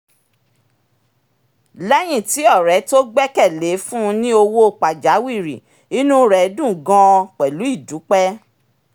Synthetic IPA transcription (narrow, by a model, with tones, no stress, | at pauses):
lɛ˦j̃ĩ˦˨ti˨˦ɔ˦˨ɾɛ˨˦to˦ɡ͡bɛ˦kɛ˦˨le˨˦fũ˦˧nĩ˦o˧wo˦˨k͡pa˨d͡ʒa˨˦wi˦˨ɾḭ˨ | i˦nũ˦ɾɛ˨˦dũ˦˨ɡã˧˦˧k͡pɛ˨lu˨˦i˦˨du˨˦k͡pɛ˦